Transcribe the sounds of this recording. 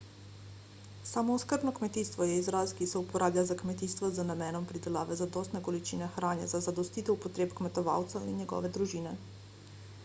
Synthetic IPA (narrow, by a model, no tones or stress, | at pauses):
saːmɔuskəɾbnɔkmɛt̪iːst̪ʋɔjɛizɾaːskisɛupɔɾʔaːbljʲazakmɛt̪iːst̪ʋɔzanamɛːnɔmpɾid̪ɛlaːʋɛzad̪ɔːst̪nɛɡɔlit͡ʃiːnɛxɾaːnja̰zazad̪ɔst̪iːt̪ɛwpɔt̪ɾeːpkmɛt̪ɔʋa̰wt̪sɛwḭnjɛɡɔ̰ːʋɛd̪ɾuʒiːnɛ